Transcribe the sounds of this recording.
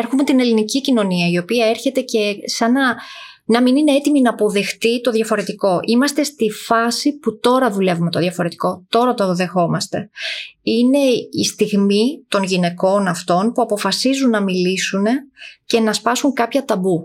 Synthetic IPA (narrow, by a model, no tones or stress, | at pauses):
eɾxume̞t̪ine̞linicicino̞niɐio̞piɐe̞ɾçe̞t̪e̞ce̞sɐnɐ | nɐminine̞et̪iminɐːpo̞ðe̞xt̪it̪o̞ðʝɐfo̞ɾe̞t̪iko̞ʔimɐst̪e̞st̪ifɐsiput̪o̞ɾɐðule̞vumet̪o̞ðʝɐfo̞ɾe̞t̪i̥ko̞t̪o̞ɾɐt̪oðe̞xo̞mɐst̪e̞̰ine̞ist̪iɣmit̪o̞nʝine̞ko̞nɐft̪o̞npuɐpo̞fɐsizunːɐmilisune̞cenɐspɐsuŋkɐpçɐt̪ɐbu